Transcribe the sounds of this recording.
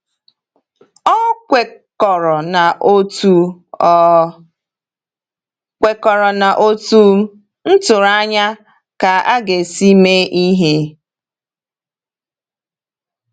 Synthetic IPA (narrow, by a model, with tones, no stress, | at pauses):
ɔ˦e˨ | ɔ˨ɾɔ˨na˨ʔo˦tu˦ | kʷe˨kɔ˨ɾɔ˨na˨ʔo˦tu˦ | n̩˦tʊ˨ɾa˦ɲa˦ | ka˨a˦ɡe˨si˦me˦ʔi˦ɦe˦